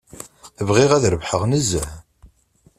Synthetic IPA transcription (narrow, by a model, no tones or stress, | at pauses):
əvʁiʁæðɾəvħəʁnəzːəʕ